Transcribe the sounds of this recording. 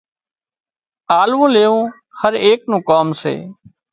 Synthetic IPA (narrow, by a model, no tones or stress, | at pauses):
aːlʋũːleːõː | həɾeːknũːkaːmsḛː